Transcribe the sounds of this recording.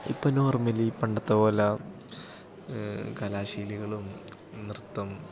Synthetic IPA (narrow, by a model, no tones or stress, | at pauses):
ḭpːɐnoːrmɐlipɐɳɖɐt̪ːɐpoːlɐ | kɐlaːɕiːliɣɐɭum | nirt̪ːɐm